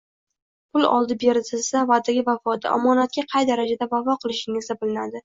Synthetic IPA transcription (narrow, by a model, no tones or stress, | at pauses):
pʰʊlˠɒ̰lˠd̪ɪbe̞ɾɪt̪ʰɪlsavad̪aɡʲɪvafɒt̪ʰa̰ʔɒ̰mɒnat̪̚kʲaqʰɑjd̪aɾad͡ʒad̪abavɒqʰɨlˠɪʃɪŋɪzd̪abɪlɪnad̪ɪ